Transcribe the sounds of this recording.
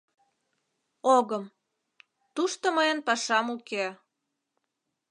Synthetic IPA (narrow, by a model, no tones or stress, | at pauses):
oɣəm | t̪uʃt̪oməjənpɑʃɑmukeæ